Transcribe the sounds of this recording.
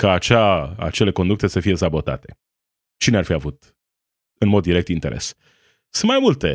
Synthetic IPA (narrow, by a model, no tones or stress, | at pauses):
kaːt͡ʃaa̰t͡ʃe̞le̞kond̪ukt̪esəfije̞sabo̞t̪a̰t̪e̞̥̰ | t͡ʃinearfiavut̪ | ɨnmod̪ːiɾe̞kt̪int̪e̞ɾʔḛs | sɨnmajmult̪e̞